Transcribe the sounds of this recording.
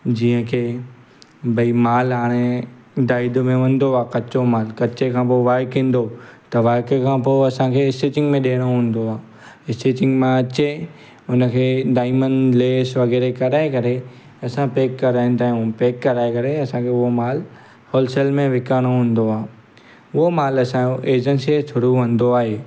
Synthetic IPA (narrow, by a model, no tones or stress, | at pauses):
d͡ʑĩːə̃kʰeː | bʱɐimaːlɦaːɽ̃e | ɖaːid̪mẽʋɐ̃n̆d̪oaːkɐt͡ɕomaːlkɐt͡ɕekʰãːpoːʋaːɾkɦĩːn̆d̪ot̪ɐʋaːkkʰãːpoːɐsãkʰeɪsʈeːt͡ɕɪ̃ŋɡmẽɗeːɽ̃oɦũːn̆d̪oaː | ɪsʈeːt͡ɕɪ̃ŋɡmẽɐt͡ɕe | ʊnə̆kʰeːɖaːɪmənleːsʋɐɣɛːɾekɐɾaːekɐɾe | ɐsãpeːkːɐɾaːɪ̃n̆t̪ãːũpeːkːɐɾaːekɐɾeɐsãkʰeːʊɦomaːl | hoːlseːlmẽʋɪkaːɽ̃oɦũːn̆d̪oaː | ʊɦomaːlɐsãoʔeːd͡ʑə̃nsiesʰʊɽuʋɐ̃nd̪oaːɦeː